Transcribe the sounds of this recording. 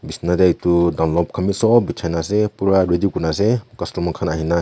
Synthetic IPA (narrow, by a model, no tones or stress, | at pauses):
bisnadetudawnlɔp̚kʰamisɔbit͡ʃʰajnas̬epuɾaɾedikunas̬ekastumakʰanaɦina